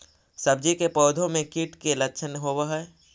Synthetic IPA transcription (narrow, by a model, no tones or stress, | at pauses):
sɐb̚d͡ʒikepɔːd̪ʱõmẽkiʈkelɐkːʃʰənɦoːwaɦɛ